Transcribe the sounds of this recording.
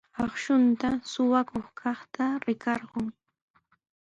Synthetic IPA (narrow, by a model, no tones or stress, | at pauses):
ɑχʃʊnt̪asʊwakoχkʰɑχt̪aɾɪkɑɾɢʊŋ